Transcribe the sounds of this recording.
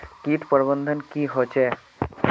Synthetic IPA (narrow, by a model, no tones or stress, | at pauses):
kiʈpɔɾbənd̪ʱənkiɦot͡ʃʰɛ